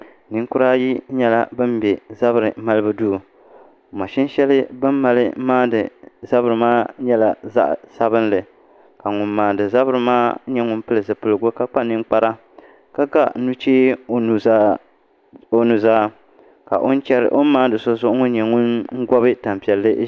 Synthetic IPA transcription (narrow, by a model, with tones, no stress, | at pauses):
nɨ˦ŋ˦kʊ˦ɾaː˦ji˦ɲɛ˦la̰˦bɨ˦mbɛ˨za˦bɨ˨ɾɨ˨ma˦lɨ˦bɨ˦duː˦˨ | ma˨ʃɪ˦n˦ʃɛ˦lɨ˦bɨ˦mː˦a˨lɨ˦maː˦dɨ˨za˦bɨ˨ɾɨ˨maː˦ɲɛ˦la˨za̰˦ʔsa˦βɨ˦nlɨ˨ | ka˨ŋʊ˨mːaː˨dɨ˨za˦bɨ˦ɾɨ˨maː˦ɲɛ˦ŋʊ˦n˦pɨ˦lɨ˨zɨ˨pɨ˨lɨ˨ɡo˦ka˦k͡pa˦nɨ˦ŋk͡pa˦ɾa˦ | ka˦ɡa˦nu˦t͡ʃeː˦˨˦ | o˨nu˨zaː˦ | ka̰˨ʔo˦n˦t͡ʃɛ˦ɾɨ̰˨ʔo˦maː˦dɨ˨so˦zʊ˦ʔʊ˦ŋʊ˦n˦ɲɛ˨ŋʊ˦nŋ̩˦ɡɔ˦bɨ˦ta˨m˨pi˨ɛ˨lːɨ˦